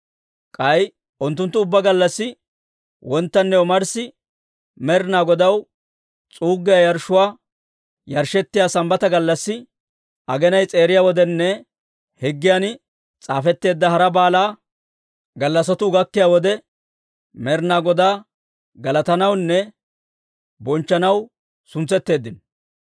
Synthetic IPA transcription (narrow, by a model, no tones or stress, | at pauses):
kʼɐj | ʔʊnt̪ːʊnt̪ːʊʊbːɐɡɐlːɐsːɪ | wɔnt̪ːɐnːɛʊmɐɾsːɪ | mɛɾnaːɡɔd̪ɐw | t͡sʼuːɡːɪjajɐɾʃːʊwaː | jɐɾʃɛt̪ːɪjaːsɐmbɐt̪ɐɡɐlːɐsːɪ | ʔɐɡɛnɐjt͡sʼe̞ːɾɪjaːwɔd̪ɛnːɛ | hɛɡːɪjaːn | t͡sʼaːfɛt̪ːe̞ːd̪ːɐhɐɾɐbaːlaː | ɡɐlːɐsɔt̪ʊɡɐkːɪjaːwɔd̪ɛ | mɛɾnaːɡɔd̪aː | ɡɐlɐt̪ɐnɐwnːɛ | bɔnt͡ʃːɐnɐw | sʊnt͡sːɛt̪ːe̞ːd̪ːɪn